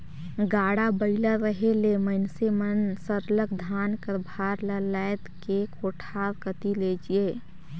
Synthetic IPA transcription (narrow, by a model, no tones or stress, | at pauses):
ɡaːɽabəɪlaɾəɦeleməɪnsemənsəɾləkd̪ʱaːnkɾbʱaːɾləlajt̪kekoʈʰaːɾkət̪iled͡ʒieː